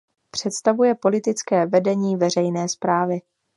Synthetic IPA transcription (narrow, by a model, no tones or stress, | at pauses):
pr̝̥ɛt̪st̪avujɛpo̞lɪt̪ɪt͡skɛːvɛdɛɲiːvɛr̝ɛjnɛːspɾaːvɪ